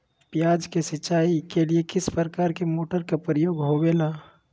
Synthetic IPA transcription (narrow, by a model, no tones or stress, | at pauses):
pjaːd͡ʒkesɪt͡ʃːaːikeliekɪspɾəkaːɾkemoːʈəɾkapɾəjoːɡɦoweːlaː